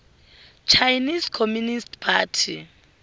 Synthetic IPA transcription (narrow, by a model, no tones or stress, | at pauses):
t͡ʃʰajnizkʰomjunistpʰaːtʰi